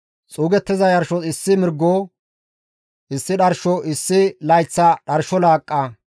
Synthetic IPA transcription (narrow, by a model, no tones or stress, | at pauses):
t͡sʼuːɡɛt̪ːɪzɐjɐɾʃɔɪsːɪmɪɾɡːoː | ʔɪsːɪɗɐɾʃɔʔɪsːɪlɐjt͡sːɐɗɐɾʃɔlaːkʼːɐ